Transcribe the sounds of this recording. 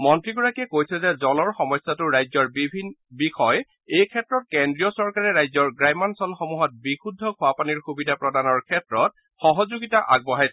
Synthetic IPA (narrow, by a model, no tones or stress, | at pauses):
mɔntɹiɡɔɹakiɛkojsɛzɛzɔlɔɹxɔmɔjsːatʊɹajzɔɹbibʱinbixʰɔj | ejkʰɛtɹɔt̚kendɹiɔsɔɹkaɹɛɹajzɔɹɡɹajmansɔlxɔmuɦɔt̚bixʰudʱːɔkʰʊapaniɹxubidʱapɹɔdanɔɹkʰɛtɹɔt̚ | xɔɦɔzuɡitaʔa̰ɡ̚bɔɦajs